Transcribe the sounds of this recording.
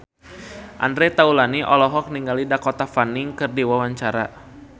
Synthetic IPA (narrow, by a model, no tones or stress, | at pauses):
ʔa̰ndɾɛt̪aulaniʔɔlɔɦɔk̚niŋɡalidakɔt̪afaniŋkɨrdiwawaɲt͡ʃaɾa̰